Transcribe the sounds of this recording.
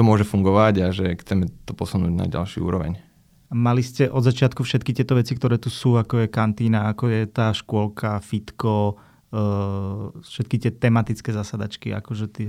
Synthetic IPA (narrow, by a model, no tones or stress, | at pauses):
t̪ɔmʊɔʒɛfuŋɡɔʋaɟaʒɛxt͡sɛmɛt̪ɔpɔsunuːɟna̰ɟa̰lʃɪṵṵːɾɔʋɛ̰ɲ | amaliscɛʔɔd̪zat͡ʃɪat̪kufʃɛt̪̚kit̪ɪɛt̪ɔʋɛt͡sik̚t̪ɔɾɛːt̪usuːakɔjɛkant̪iːnaakɔjɛt̪aːʃkʊɔlkʰafit̪kɔ | fʃɛt̪kit̪ɪɛt̪ɛmat̪it͡skɛːzasad̪at͡ʃkia̰kɔʒɛt̪